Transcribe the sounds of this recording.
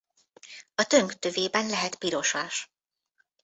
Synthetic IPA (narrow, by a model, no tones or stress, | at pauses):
ɒt̪ø̞ŋkt̪øveːbɛnlɛɦɛt̪piɾo̞ʃaːʃ